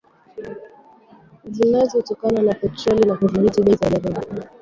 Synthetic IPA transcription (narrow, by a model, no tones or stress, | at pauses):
zinazɔtɔkananafɛtɾɔlinakuvuɾitiɓɛzalɛɾɔɗi